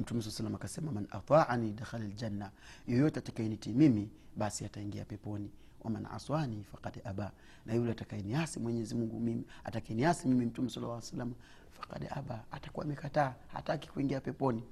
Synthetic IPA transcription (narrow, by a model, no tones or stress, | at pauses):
m̩tumɛs̬ɔlasalːamakasɛmamanʔa̰t̪ˤaʕanidaxalald͡ʒanːajɔjɔtɛatakajɛnitimimiɓasiataiŋɡiapɛpɔni | wʔa̰ma̰nʕa̰swanifaqadʔaɓa | najulɛatakajɛniasimwɛɲɛzimuŋɡumimia̰takaɛniasimimim̩tumɛsalːa̰lasalːama | fḁqa̰dɛ̰ʔa̰ɓaatakuwa̰mɛkataːha̰taki̥kuiŋɡiapɛpɔni